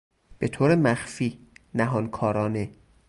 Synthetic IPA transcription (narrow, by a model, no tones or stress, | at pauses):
b̥e̞t̪ʰoːɾemæxfiːnæɦɒːnkʰɒːɾɒːne